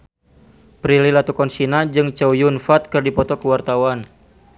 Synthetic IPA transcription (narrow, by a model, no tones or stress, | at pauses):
pɾililat̪ukɔnsinad͡ʒɨŋt͡ʃawjunfat̪̚kɨrdipɔt̪ɔkəwart̪awan